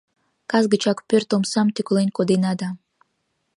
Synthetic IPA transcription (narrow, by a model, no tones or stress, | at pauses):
kazɡɨt͡ʃakpʲøɾt̪omsamt̪ykʲlˠenʲkod̪enad̪a